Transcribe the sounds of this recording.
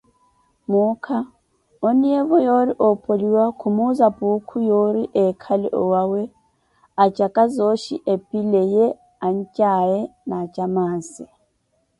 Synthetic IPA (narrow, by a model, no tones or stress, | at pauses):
mukʰa | onijeβɔjoɾiʔopʼoliwakʰumuzapʼukʰujoɾiʔɛkʰalɛʔɔwawɛ | at͡ʃʼakʼazoʃḭʔepʼilejɛ | aɲ̩t͡ʃʼajɛnat͡ʃʼamaːnsi